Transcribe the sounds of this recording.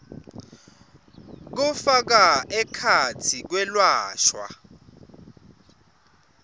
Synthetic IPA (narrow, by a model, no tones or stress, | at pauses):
k̬ufak̬aɛkʰat͡sʰik̬wɛlwaːʃwa̰